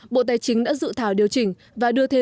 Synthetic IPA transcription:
ɓo̰˧˨t̪aː˨˦jt͡ɕï˨˦ŋɗa̰ː˧˥zɨ̰˧˨t̪ʰaː˧˩wɗi˨˩əwt͡ɕï˧˩ŋ̟ | vaː˨˩ɗɨ˧ət̪ʰe˧

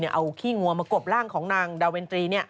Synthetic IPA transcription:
ni˥˩ʔa˧wkʰiː˥˩ŋu˧ɐmaː˧ko˨˩p̚ɾaː˥˩ŋkʰɔː˩˦ŋnaː˧ŋdaː˧weː˧nt̪ɾiː˧ni˥˩ɐ

